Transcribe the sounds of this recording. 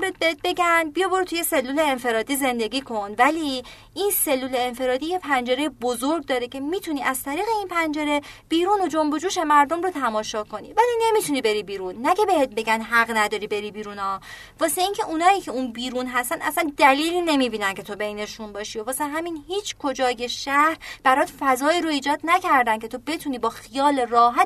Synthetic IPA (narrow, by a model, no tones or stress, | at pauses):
mɾet̪̚behet̪̚be̞ɡænbijɒboɾt̪ʰuje̞se̞lːule̞ːnfe̞ɾɒːd̪iːze̞nd̪e̞ɡʲiːkʰo̞nvæli | ʔinse̞lːuːle̞ːnfe̞ɾɒːd̪iːje̞pʰænd͡ʒe̞ɾe̞jebozoɾɡ̚d̪ɒːɾecʲʰe̞miːt̪ʰuniːʔæz̥t̪ʰæɾiːɣe̞inpʰænd͡ʒeɾe̞b̥iːɾuːno̞d͡ʒombo̞d͡ʒuːʃe̞mæɾd̪o̞mrot̪ʰæmɒːʃɒːkʰo̞nḭvæline̞mit̪ʰuniːbeɾibiːɾunːækʰe̞be̞het̪̚be̞ɡænd̪ɦæɣnæd̪ɒːɾibe̞ɾibiːɾunɒː | vɒːse̞iːcʰe̞ʔunɒːiːcʰe̞unbiːɾunɦæst̪ænæsænd̪æliːliːne̞miːbiːnæncʰe̞t̪ʰo̞be̞jne̞ʃunbɒːʃiovɒːsenɦæminhiːt͡ʃʰkʰod͡ʒɒːje̞ʃæhɾb̥æɾɒːd̪fæzɒːiːɾoiːd͡ʒɒːd̪næcʰæɾd̪æncʰe̞t̪ʰobe̞t̪ʰuniːbɒːxijɒːle̞rɒːɦæt̪